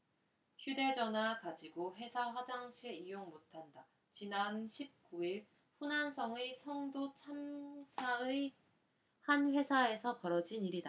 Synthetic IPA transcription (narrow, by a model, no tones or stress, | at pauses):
çjude̞d͡ʑʌnwakad͡ʑiɡoɸe̞sʰaɸwad͡ʑaŋɕʰieijoŋmotʰanda | t͡ɕinanɕʰip̚k͈uiɭ | ɸunansʰʌŋesʰʌŋdot͡ɕʰamsʰaɯ | hanɸwe̞sʰae̞sʰʌpʌɾʌd͡ʑiniɾida